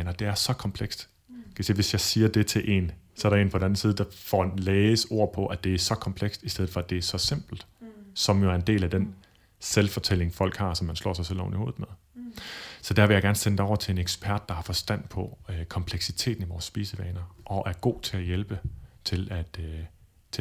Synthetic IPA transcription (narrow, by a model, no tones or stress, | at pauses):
nɐd̥e̝æɐsɒ̽kʰɒ̽mpʰleɡ̥sd̥ | kʰæsḛːʋe̝sjɑ̈ɪsiːɐd̥e̝t͡sʰe̝ʔe̝̰ːnsɒ̽æɐɾɑe̝̰ːnpʰɒ̥̽n̩æn̩siːðˠd̥ɑ̈fɒ̰leːso̝ɐ̰pʰɒ̽ʔæd̥e̝æɐsɒ̽kʰɒ̽mpʰleɡ̥sd̥isd̥eð̩ˠfɒ̽æd̥e̝æɐsɒ̽se̝m̰b̥l̩d̥sɒ̽mjoæɐe̝nd̥e̝̰ːlæd̥en | selfɒ̽t͡sʰel̰e̝ŋfɒ̽l̰ɡ̥hɑ̈sɒ̽mːænslɒ̰ːs̬ɑ̈ɪsel̰ɒ̰ʊnio̝ːð̩ˠmeðˠ | sɒ̽d̥æɐʋe̝jɪɡ̥æɐnəsend̥ɒʊ̰ɐt͡sʰe̝e̝neɡ̥sb̥ʰæɐd̥̚ːɑ̈hɑ̈fɒ̽sd̥æn̰pʰɒ̽kʰɒ̽mpʰleɡ̥sit͡sʰe̝̰ːd̥n̩iʋɒːsːb̥ḭːsəʋɛːnɐʔɒ̽ʔæɐɡ̥o̝̰ːt͡sʰe̝læjelb̥ət͡sʰe̝læd̥ | t͡sʰe